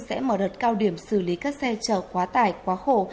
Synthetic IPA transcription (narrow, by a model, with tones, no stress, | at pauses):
sɛ̰˧˥məː˧˩ɗə˨˩t̚kaː˧wɗi˧˩əmsɨ˧˩li˨˦kaː˦˥k̚sɛ˧t͡ɕəː˧˩kwaː˨˦t̪aː˧˩jkwaː˨˦xo˧˩